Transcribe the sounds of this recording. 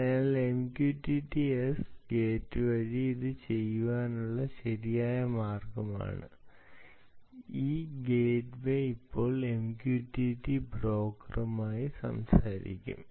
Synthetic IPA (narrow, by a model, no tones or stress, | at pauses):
ɐjaːlemkjuːʈːiʈːiesɡeːtːɨʋɐɾiiðɨt͡ɕe̞jːuʋaːnuɭːɐɕɐɾijaːjɐmaːrɡɐma̰ːɳɨ̰ | iːɡeːʈʋeipːo̞ːɭemkjuːʈːuːʈːibro̞ːkːɐrumaːjisɐ̰msaːɾḭkʲːṵm